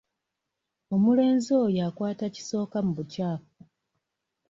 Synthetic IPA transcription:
o̞mule̞ːnzojakwaːtaci̥so̞ːkamuβutaːko

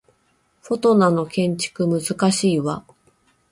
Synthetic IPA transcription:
ɸo̞t̪o̞nano̞kẽ̞ɲ̟t͡ɕi̥kɯ̟mɯ̟zɨkaɕiːβa̰

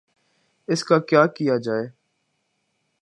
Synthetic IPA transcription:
ɪskaːkjaːkijaːd͡ʒaːeː

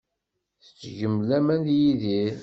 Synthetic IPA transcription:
θə̥t͡sːʝəmlæmænjiði

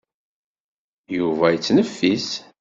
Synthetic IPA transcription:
juvæjt͡sːnəfːis

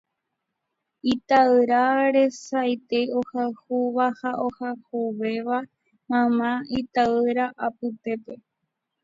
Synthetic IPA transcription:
it̪aɨɾaɾe̞sajt̪eohahuβahaʔohahuʋe̞ʋa | mãmãit̪aɨɾaʔapɨt̪e̞pe̞

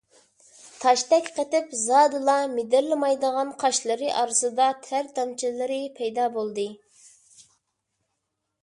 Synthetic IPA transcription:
t̪ʰɑʃt̪ɛkʲqət̪ɪpzɑːd̪ɨlˠɑmed̪ɪɾlɪmɑjd̪əʁɑnqʰɑʃlˠɨɾɨʔɑɾɨsɨd̪ɑt̪ʰæɾd̪ɑmt͡ʃʰilˠɨɾɨpʰɛjd̪ɑːbolˠd̪ɨ

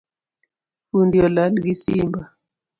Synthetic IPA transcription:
undjɔlalɡisimba

